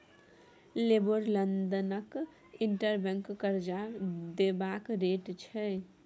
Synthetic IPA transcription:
leboɾlənd̪ənək | iɳʈəɾbəŋkːəɾd͡ʒaɾd̪ebakɾeʈt͡ʃʰɛ

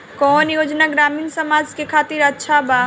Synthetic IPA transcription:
kɔːnjoːd͡ʒnaɡɾaːmiːnsəmaːd͡ʒkekʰaːt̪iɾɐtːʃʰaba

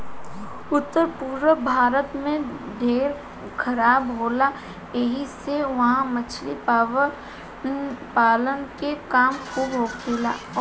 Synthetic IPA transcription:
ʊt̪ːəɾpuːɾʋəbʱaːɾət̪mẽɖʱeːɾ | kʰɐɾaːbɦoːla | eɦiseʋɐɦãmɐt͡ʃʰli | paːlənkekaːmkuːbɦoːkela̰ː

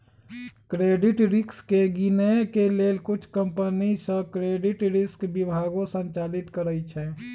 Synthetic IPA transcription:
kɾeːɖɪʈɾɪkskeɡinɛkeleːlkʊt͡ʃʰkəmpənisə̃kɾeɖiʈɾɪskbibʱaːɡõsə̃nt͡ʃaːlit̪kəɾəjt͡ʃʰɛ̃

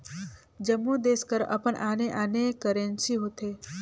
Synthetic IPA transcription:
d͡ʒəmːud̪eːskəɾɐ̰pənʔaːneʔaːnekəɾensiɦoːt̪eː

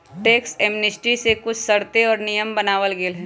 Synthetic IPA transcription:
ʈeːkseːmnɪsʈisekʊt͡ʃʰsɐɽt̪eɔːɾnijəmbɐnaːʋəlɡelɦɛ̃ː

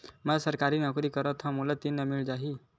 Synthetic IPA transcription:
məlasəɾkaɾiːnakuɾiːkəɾət̪ɦãmulat̪inːəmiɭd͡zaɦiː

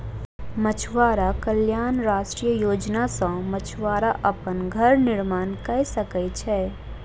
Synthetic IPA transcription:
mət͡ʃʰʋaːɾakəljaːnɾaːʃʈɾijəjoːd͡ʒnasɐ̃mət͡ʃʰʋaːɾaʔɐpənɡʱɐɾnɪɾmaːnkəsəkəjt͡ʃʰɛː

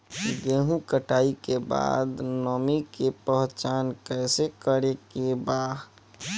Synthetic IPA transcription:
ɡeɦũkəʈʰaːikeba̰d̪nɔmikepəɦt͡ʃankɛɪsekəɾekebaːɦ

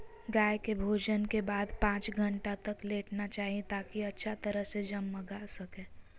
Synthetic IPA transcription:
ɡaːjkebʱoːd͡ʒənkebaːd̪pãːt͡ʃɡʱə̃ɳʈat̪əkleːʈnat͡ʃaːɦiẽt̪aːkiɐtːʃʰat̪əɾəɦsed͡ʒɐmːɐɡaːsɐkẽː

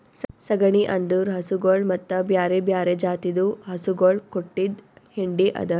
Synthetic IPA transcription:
ssɐɡɐɳiʔɐnd̪uːɾɦɐsuɡoːɭmɐt̪ːɐbjaːɾebjaːɾed͡ʒaːt̪id̪uɦɐsuɡoːɭkoʈːid̪hiɳɖiʔɐ̰d̪ɐ

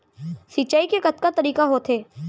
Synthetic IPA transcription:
sit͡ʃaːikekɐt̪kat̪ɐɾiːkaɦot̪ʰeː

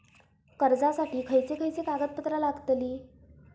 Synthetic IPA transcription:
kəɾd͡zasaʈiːkʰəjt͡sekʰəjt͡set̪aɡət̪̚pət̪ɾalaɡt̪liː

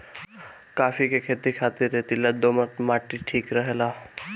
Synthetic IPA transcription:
kafikekʰet̪ikʰat̪iɾet̪ilad̪omət̪maʈːiʈʰiːkɾəɦela

